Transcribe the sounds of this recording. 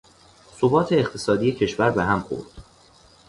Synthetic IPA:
sobɒːt̪ʰeːχt̪ʰe̞sɒːd̪iːjecʰe̞ʃvæɾbeɦæmxo̰ɾd̪̥

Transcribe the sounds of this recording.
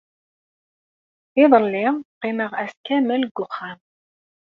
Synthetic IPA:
ɪðˤəlːɪʁqːiməʁæskæməlɡʷːʊχːam

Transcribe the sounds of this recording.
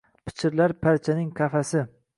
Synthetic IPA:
pʰɪ̥t͡ʃʰɪɾlaɾpʰaɾt͡ʃʰanɪŋkʲʰafasɪ

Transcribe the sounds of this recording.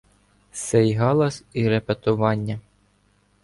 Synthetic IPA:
sejɦɑlˠɐsʲiɾepet̪ʊʋɑnʲːɐ

